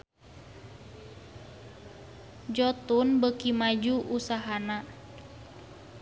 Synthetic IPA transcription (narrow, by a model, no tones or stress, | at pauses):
d͡ʒɔt̪unbəkimad͡ʒuʔusaɦana